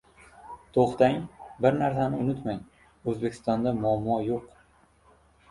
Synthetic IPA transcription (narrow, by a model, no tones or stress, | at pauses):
t̪ʰoχt̪aŋbɪɾnaɾsanɪʊnɪt̪maŋ | ɵzbe̞kʲʰɪ̥st̪ɒnd̪amʊamːɒjoq